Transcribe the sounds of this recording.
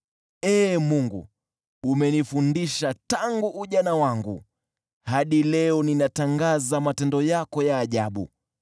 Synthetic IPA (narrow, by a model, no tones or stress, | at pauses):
ɛːmuŋɡṵː | mɛnifundiʃataŋɡuʔuʄanawaŋɡṵ | haɗilɛɔninataŋɡazamatɛndɔjakɔjaːʄaɓṵ